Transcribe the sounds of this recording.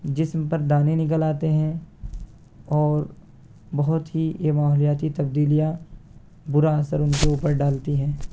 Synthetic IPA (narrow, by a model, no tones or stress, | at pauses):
d͡ʒɪsmpɐɾd̪aːnenɪk̬əlaːt̪eɦɛ̃ | ɔːɾ | bɐɦʊt̪ɦiemaːɦɔlijaːt̪it̪ɐbd̪iːlija | bʊɾaːsəɾʊnkeuːpəɾɖaːlt̪iɦɛ̃ː